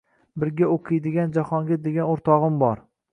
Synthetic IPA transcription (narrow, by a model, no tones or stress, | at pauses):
bɪɾɡʲaoqʰɨjd̪ɪɡʲand͡ʒahɒŋɡʲad̪eɡʲanoɾt̪ʰɒʁɨmbɒɾ